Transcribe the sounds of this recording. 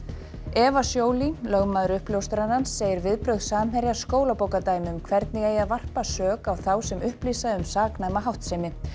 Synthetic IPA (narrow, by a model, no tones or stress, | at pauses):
ɛːvasjoːwlilœɣmaːðʏɾʏhpljowst̪ɾanhansːeːjɪɾvɪðpɾœɥɣðsaːmɦɛɾjḁskoːwlapoːwkat̪aːjmɪʏmkʰvɛɾt̪nɪɣeːjaðvar̥pasœːkawθawsɛmʏhpliːsaʏmsaːknajmaɦawht̪sejmɪ